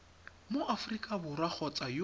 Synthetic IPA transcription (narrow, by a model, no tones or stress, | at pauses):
moʔafrikʼabʊrak͡xʰɔt͡sʼaj